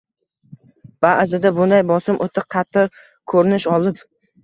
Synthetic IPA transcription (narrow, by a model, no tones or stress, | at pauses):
b̥aʔzɪd̪abʊnd̪ajbɒsɪmʔot̪ʰɪqʰɑt̪ʰːɪ | kʰɵɾɪnɪʃɒlˠɪp